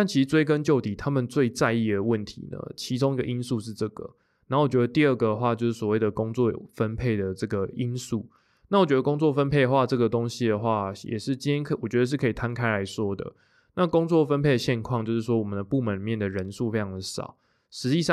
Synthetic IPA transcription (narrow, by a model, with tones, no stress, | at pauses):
t̪a˥˩nt͡ɕʰi˧˥ʂ̩˧t͡swe˥ɪkə˦nt͡ɕjo˥˩ʊt̪i˨˩t̪ʰa˥mə˨nt͡swe˥˧ɪt͡sa˥˧ɪi˥˩d̪ə˩wə˥˩nt̪ʰḭ˨˧˦nə̰˦˩t͡ɕʰi˧˥t͡so˥ŋi˧˥ɡə˨ʔi˦˥nsu˥˧ʂɻ̩˥˧ʈ͡ʂɤ˥˩ɡə̰˩ | na˨˥˩wɔ˨˩t͡ɕɥɛ˧˦d̪ə˧t̪i˥˧ə˥˩ɡə˩d̪ə˩xwa˥˧t͡ɕjo˥˧ʊʂ̩˥˩swɔ˨˩we˥˩ɪd̪ə˩kʊ˦˥ŋt͡swɔ˥˩j̰fə˦˥npʰe˥˩ɪd̪ə˩ʈ͡ʂɤ˥˩ɡə˩i˦nsu˥˩ | na˥˩wɔ˨˩t͡ɕɥɛ˧˥d̪ə˧kʊ˥ŋt͡swɔ˥˨˩fə˦npʰe˥˩ɪ˧xwa˥˧ʈ͡ʂɤ˥˩ɡə˩t̪o˥˦ŋɕi˥d̪ə˨xwa˥˩jɛ̰˨˩ʂɻ̩˥˩t͡ɕi˥nt̪jɛ˥nkwɔ˨˩t͡ɕɥɛ˧˥d̪ə˧ʂ̬ɻ̩˥˩kʰɤ˧˥i˨˩t̪ʰa˦nkʰa˥ɪla˧˦ɪʂwɔ˥d̪ə̰˨ | na˥˨kʊ˥ŋt͡swɔ˥˨fə˦npʰe˥˩ɪə˩ɕjɛ˥˧nkʰwɑ˥˨ŋt͡ɕjo˥˧ʊʂɻ̩˥˩ʂwɔ˥wɔ˨˩mə˨˦nd̪ə˩pu˥˩mə˧˦ni˨˩mjɛ˥˩nd̪ə˩ɻə˧˦nsu˥˨fe˥ɪʈ͡ʂʰɑ˧˥ŋd̪ə˧˦ʂɑ̰˨˩˦ʊ | ʂɻ̩˧˥t͡ɕi˥˧ʂɑ˥˨